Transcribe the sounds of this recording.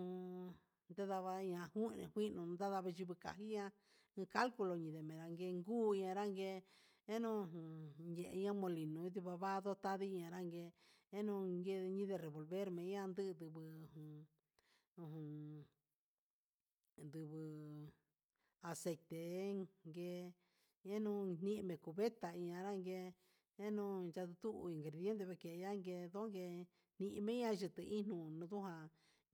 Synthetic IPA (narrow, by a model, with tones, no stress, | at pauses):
ũ˧ | nd̪a˦ða˧βa˧ɲã˧hu˦˧nḛ̃˧hʷi˦nũ˧nd̪a˦ða˧βa˧ʒi˧βɨ˧ka̰˨hi˦ɲã˧ | ɨ̃˧ka˦lku˧lo˧ɲĩ˨ðe˨mẽ˨˧ɾa˧ŋɡe˧ŋɡuː˦i˧ɲã˧ɾa˦ŋɡe˧ | e˦nũ˦˧ɦũ˨ɲjẽ˧ʔe˧ɲã˦mõ˧li˨nũ˧i˦t̪̬i˧βa˧βa˦ðo˦t̪a˦ði˦˧ɲã˧ɾa˦ŋɡe˧e˦nũ˧ŋɡe˦˧ɲĩ˦ðe˧ɾe˨βo˨lβe˦ɾmẽ˨˦ã˦nd̪ɨ˦˧d̪ɨ˧βɨ˧hũ˨ | ũ˧ɦũ˧ | nd̪u˧βɨ˧ | a˧se˧jt̪e˨˦ŋɡe˧ | e˦nũ˧˦n̥nĩ˦ʔmẽ˧˨ku˨βe˦t̪a˨i˧ɲã˧ɾa˦ŋɡe˧ | e˦nũ˧nʒa˧ðu˧t̪u˦ʔi˨ŋɡɾe˨ðje˦nt̪e˧βe˧ke˨˧ja˦ŋɡe˧ðo˦ŋɡe˧ | n̥ĩ˧ʔi˧mẽ˦ã˦˧ʒɨ˧t̪ɨ˧i˦nũ˧˨nũ˧ðũ˦ɦã˧